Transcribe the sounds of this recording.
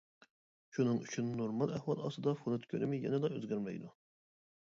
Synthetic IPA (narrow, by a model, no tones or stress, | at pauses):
ʃunɨŋyt͡ʃʰynːoɾmɑlˠæhwɑlˠɑ̰sɨd̪ɑfonɨt̪kʲʰønɪmɪjɛ̰nɛlˠɑø̰zɡʲæɾmɛ̰jd̪u